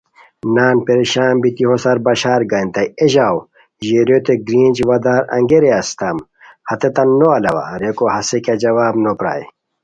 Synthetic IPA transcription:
naːnpeɾiɕaːmbit̪iɦosɐɾbɐɕaːɾɡɐint̪ɐjeʑaːw | ʑeɾjot̪eɡɾĩːnd͡ʑʋɐd̪aːɾɐ̰̃ŋɡeɾeɐst̪ɐm | hɐt̪et̪ɐnːoɐlɐwa̰ɾekohɐseked͡ʑɐwaːbnopɾa̰ːj̰

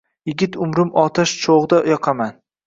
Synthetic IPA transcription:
jɪɡʲɪt̪ʊmɾɪmɒt̪ʰaʃt͡ʃʰoʁd̪ajɒqʰɑman

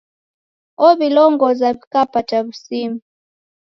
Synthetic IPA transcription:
ɔβilɔŋɡɔzaβikapataβusimu

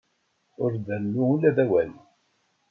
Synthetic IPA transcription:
ʊɾðəlːuulæðæwæl

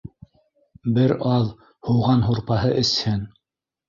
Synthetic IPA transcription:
bɘɾɑlˠ | hŭwʁɑnɦuɾpɑhɤʔɘ̆shɘn

